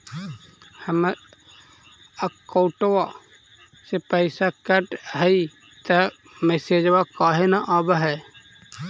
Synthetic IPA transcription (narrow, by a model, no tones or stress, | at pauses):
həmə | əkoːʈwa | sepəɪsakəʈɦəi | t̪ə | mesed͡ʒwakaːɦenaʔaːbɦɛ